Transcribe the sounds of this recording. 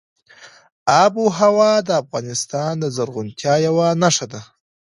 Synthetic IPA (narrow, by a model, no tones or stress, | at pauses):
abuɦawɑd̪əafɣɑnɪst̪ɑnd̪əzaɾɣʊnt̪ʰjɑjawanaʂad̪a